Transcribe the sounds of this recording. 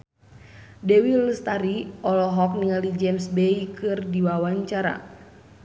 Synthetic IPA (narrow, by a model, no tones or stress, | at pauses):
dɛwilːəst̪aɾiɔlɔɦɔk̚niŋalid͡ʒɛmsbeikɨrdiwawaɲt͡ʃaɾa̰